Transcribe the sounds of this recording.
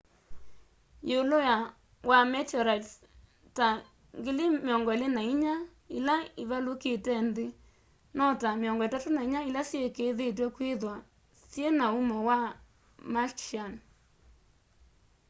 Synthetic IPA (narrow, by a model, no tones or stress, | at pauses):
jeuloja | wʔamɛtɔɾats | ta | ŋɡilimɔŋɡɔlenaiɲa | ilaiβaloketɛnde | nɔtameɔŋɡɔetatonaiɲailasjekeðet̬wɛkweðwa | sjenaumɔwa | mat͡ʃian